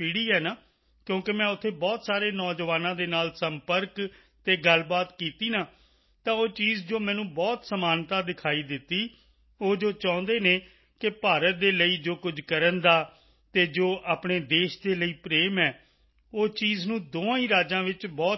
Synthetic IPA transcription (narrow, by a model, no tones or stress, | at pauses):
pɪɽiːɛːnaː | kjõːkemɛ̃ːʊt̪ʰːeːbɔːt̪saːɾeːnɔːd͡ʒʋaːnãːd̪eːnaːlsəmpəɾk | t̪eːɡəlbaːt̪kiːt̪iːnãː | t̪ãːoːt͡ʃiːzd͡ʒoːmɛ̃ːnũːbɔːt̪səmaːnt̪aːd̪ɪkʰaːiːd̪ɪt̪ːiː | oːd͡ʒoːt͡ʃãːnd̪eːnẽː | kɪpaːɾət̪̚d̪eːləiːd͡ʒoːkʊd͡ʒkəɾənd̪aː | t̪eːd͡ʒoːʔaːpɳeːd̪eːʃd̪eːləiːpɾeːmɛː | oːt͡ʃiːznũːd̪oːãːĩːɾaːd͡ʒãːʋɪt͡ʃbɔː